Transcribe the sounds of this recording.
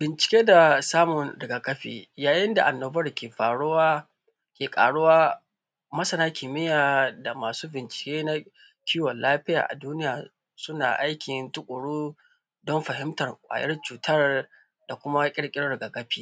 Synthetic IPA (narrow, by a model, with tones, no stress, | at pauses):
bɪ˨nt͡ʃɪ̥˨kʲeː˦da˨saː˦mʊ˨nɽɪ˨ɡa˨kʼɐ˦ɸḭː˨jaː˨jɪ˦nda˨ʔa˨nːoː˨bɐ˦rkʲeː˨ɸaː˨ɽʊ˦waː˦ | kʲeː˨kʼa̰ː˨ɽʊ˦waː˦ | mɐ˦sɐ˦naː˦kʲiː˨mɪ˦jaː˨da˨maː˨suː˦bɪ˨nt͡ʃɪ̥˨kʲeː˦na˦ | kʲʰi˦wɔ˨nlːaː˦ɸɪ˦ja̰ː˨ʔa̰˨duː˦nɪ˦jaː˨ | sʊ˦na̰ː˨ʔa˦jkʲɪ˨ntʊ˦kʷʼʊ˨ɽuː˦ | dɔ˦mɸɐ˨ɦɪ˦mtɐ˨rkʷʼa̰ː˨jʔɐ˦rt͡ʃuː˨tʰɐ˦r | d̥a˨kʷʊ˦ma˦kʲʼɪ˦ɽkʲʼɪ˦ɽɽɪ˨ɡa˨kɐ˦ɸiː˦˨